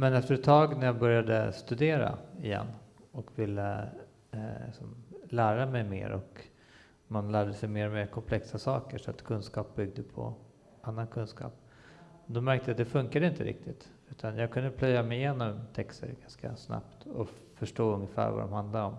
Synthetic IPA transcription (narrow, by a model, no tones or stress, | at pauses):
mɛnɛft̪əɾɛt̪ʰːɑːɡnæɾjɑːbœɾjad̪əst̪ɵd̪eːɾa̰ɪjɛ̰nː | ɔkvɪlːə | ɪ̰sɔmlæːɾamɛjmḛːɾʔɔk | manlæːɖəsɛjmeːɾɔmeːɾkʰɔmpʰlɛksasɑːkəʂɔat̪kʰɵnskɑːp̚bʏɡ̚d̪əpʰɔ̰ | anːankʰɵnskɑ̰ːp̚ | d̪ɔmæɾk̚t̪əjat̪̚d̪ɛfɵŋkad̪əɪnt̪əɾʔɪ̰k̚t̪ʰɪt̪ | ʉ̟ːt̪ʰanjɑːɡ̚kʰɵnd̪əpʰlœjːamɛjɪjeːnɔmt̪ʰɛkst̪ə̰ɾɡanska̰sna̰pt̪ɔ | fœʂʈoːɵŋːəfæ̰ːɾva̰d̪ɔ̰mhand̪laɾɔm